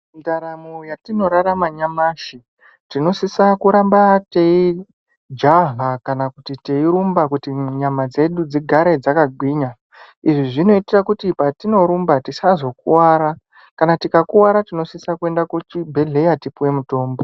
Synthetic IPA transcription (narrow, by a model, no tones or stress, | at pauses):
ndaɾamojatino̞ɾaɾamaɲamaːʃi | tino̞sisakuɾambatei | d͡ʒaɦakanakutiteiɾumbakutiɲamad͡ze̞ɗud͡ziɡʱaɾe̞d͡zakaɡʱwiːɲa | iʐiʐino̞itirakutipatino̞ɾumbatisazo̞k̚uwaːɾa | kanatikakuwaɾatino̞sisakue̞ndakut͡ʃibʱe̞ɮe̞jatipuwe̞muto̞ːmbo̞